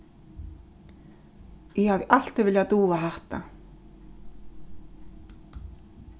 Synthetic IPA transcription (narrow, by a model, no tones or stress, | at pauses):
jɛhavɪʔal̥t̪ɪvɪljat̪uːaɦaht̪a̰